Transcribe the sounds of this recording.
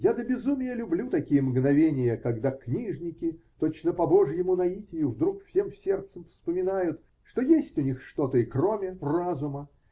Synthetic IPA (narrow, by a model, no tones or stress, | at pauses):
jad̪əbʲɪzumʲɪjəlʲʊblʲut̪ɐkʲijəmɡnɐvʲenʲɪjəkɐɡd̪aknʲiʐnʲɪkʲɪt̪o̞t͡ɕnəpɐbo̞ʐjɪmunɐitʲɪjʊvd̪ɾukfsʲe̞mfsʲert̪səmfspəmʲɪnajʊt̪ | ʂt̪ojesʲtʲʊnʲixʂt̪o̞t̪əɪkromʲɪrazʊmə